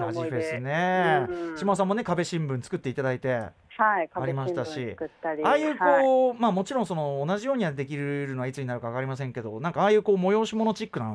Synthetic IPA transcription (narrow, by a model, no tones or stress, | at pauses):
aʑibesɨneɕimas̬ãmːo̞ne̞kabe̞ɕĩmbɯ̟̃nt͡sɨ̥kɯ̟t̪ːe̞it̪ad̪ait̪e̞ | haikaaɾimaɕit̪aɕiɯt̪ːaɾʲiaːjɯ̟ːko̞ːmaːmo̞t͡ɕiɾõso̞no̞ːnaʑijo̞ːɲ̟iad̪e̞kʲiɾɯɾɯ̟no̞βait͡sɨɲ̟inaɾɯ̟kaβakaɾimas̬ẽ̞ŋke̞d̪o̞nãŋkaaːjɯ̟ːko̞ːmo̞jo̞ːɕimo̞no̞t͡ɕikːɯnãn